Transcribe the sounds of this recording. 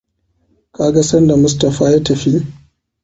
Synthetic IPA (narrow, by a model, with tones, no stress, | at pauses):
kaː˨ɡa˦sɐ˦nda˨mʊ˦stɐ˨ɸaː˦ja˦tɐ˨ɸi˦